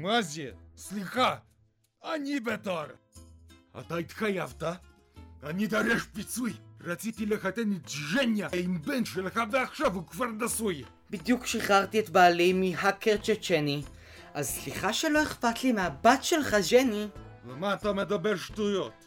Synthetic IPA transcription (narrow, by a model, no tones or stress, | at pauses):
mazeslixa | anibet̪aɾ | a̰t̪ait̪xajavt̪a | anid̪aɾɛʃpit͡sujɾat͡sit̪ilexat̪enit̪ʒenjaimbɛnt̪ʃelxaveaxʃavukvaɾnasuj | bid̪jukʃiχaʁt̪iet̪baːlejmiɦakeʁt͡ʃet͡ʃeni | ʔazsliχaʃelo̞eχpat̪limeabat̪ʃelχaʒenivamaːt̪amed̪abeɾʃt̪ujot̪